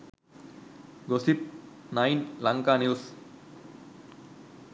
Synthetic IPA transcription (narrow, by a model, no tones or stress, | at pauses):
ɡosip̪̚ | najnlaŋkaniws